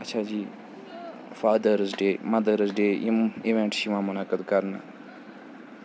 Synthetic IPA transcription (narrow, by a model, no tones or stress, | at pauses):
ɐtːʃʰaːd͡ʒiː | faːd̪əɾzɖeːmɐd̪əɾzɖeːiiʋẽɳʈʃimãːmʊnakəd̪kɐɾna̰ː